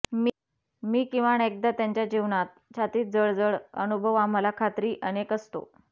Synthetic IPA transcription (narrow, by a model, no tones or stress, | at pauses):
mi | miːkĩw̃ʋaɳek̚d̪at̪jaɲt͡ɕjad͡ʑiʋɳat̪̚t͡ɕʰat̪iːt̪̚d͡zəɭd͡zəɭə̰nubʱəʋamːəlakʰat̪ɾiːʔənekəst̪o̰